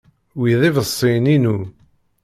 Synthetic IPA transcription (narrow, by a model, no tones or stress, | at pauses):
wiðivəsˤːininu